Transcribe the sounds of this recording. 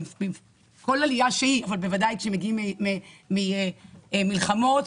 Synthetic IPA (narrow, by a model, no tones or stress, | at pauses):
bim | ko̞lalijaʃehiavalbe̞vadajʃemeɡiimimimieemilχamo̞t